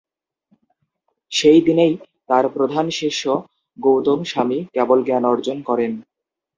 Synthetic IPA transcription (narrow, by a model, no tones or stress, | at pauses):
ʃejd̪inej | t̪aɾpɾod̪ʱanʃeʃo | ɡowt̪omʃamikɛbolɡɛnɔɾd͡ʑonkɔɾen